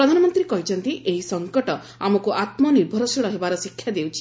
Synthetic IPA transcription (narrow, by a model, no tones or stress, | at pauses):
ɾɔd̪ʱanɔmɔnt̪ɾikɔɦit͡ʃʰɔnt̪iʔeɦisɔŋkɔʈɔ | amɔkuʔat̪mɔniɾbʱɔɾɔsiɭɔɦebaɾɔsikʰːjad̪ewt͡ʃʰi̥